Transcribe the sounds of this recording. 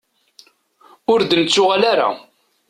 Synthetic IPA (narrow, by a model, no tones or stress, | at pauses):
ʊɾd̪ənət͡sːʊʁalaɾa̰